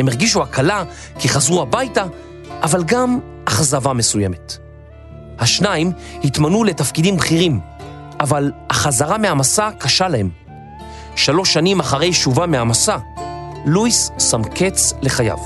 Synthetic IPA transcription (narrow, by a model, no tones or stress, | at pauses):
hemeʁɡiʃ̬uakʰala | kiχazʁuhabajta | ʔːvalɡam | aχzavame̞sujeme̞t | haʃnaim | hitmanule̞tafkidimbχiʁim | ʔavalhaχazaʁamehamasakaʃalahe̞m | ʃalo̞ʃːanimaχaʁe̞jʃuvamehamasa | lujsːamke̞t͡sle̞χaja̰v